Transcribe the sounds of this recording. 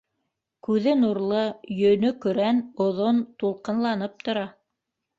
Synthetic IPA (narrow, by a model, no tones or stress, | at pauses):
kʉðɘnuɾlˠɤjɵ̆nɵkɵ̆ɾænŏðont̪ulˠqɤ̆nlˠɑnɤp̚t̪ŏɾɑ